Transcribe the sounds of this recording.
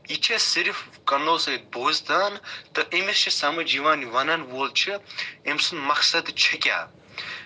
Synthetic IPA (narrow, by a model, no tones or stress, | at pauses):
it͡ʃʰesiɾfkɐnoːsɐit̪̚bʱoːzd̪aːnt̪ɐʔemest͡ʃʰisɐmɐd͡ʒiʋaːniʋɐnɐnʋoːlt͡ʃʰiemsunmɐksɐd̪t͡ʃʰɐkʲa̰ː